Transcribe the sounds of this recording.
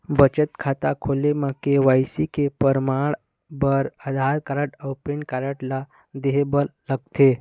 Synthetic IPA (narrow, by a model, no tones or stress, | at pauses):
bət͡ʃət̪kʰat̪akʰolemãkeʋajsikepəɾmaɭ | bəɾəd̪ʱaɾkaɾəʈəwpeɳkaɾəʈla | d̪eɦebəɾləɡ̚t̪e